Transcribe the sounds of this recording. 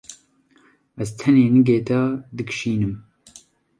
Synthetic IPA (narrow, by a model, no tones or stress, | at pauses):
æzt̪ʰɛneːnɨɡeːt̪ad̪ɨkʃiːnɨm